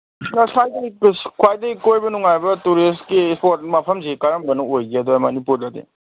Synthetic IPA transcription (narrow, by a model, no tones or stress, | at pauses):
kɐsajdɐkskʰwajdɐikojbɐnuŋajbɐtuɾistkispot̚mɐpʰɐmzikaɾɐmbɐnɐojɡiɐd̪uamɐnipuɾlɐd̪ḭ